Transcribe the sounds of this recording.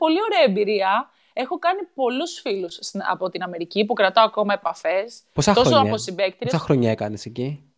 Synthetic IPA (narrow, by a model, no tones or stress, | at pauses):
po̞lio̞ɾe̞ɐembiɾiɐ | e̞xo̞kɐnipo̞lusfilusɐ̰po̞t̪inɐme̞ɾicipukɾɐt̪oɐko̞mɐe̞pɐfe̞sposɐoɾosoɐosibe̞kt̪ɾiesɐxɾoɲɐekɐneseci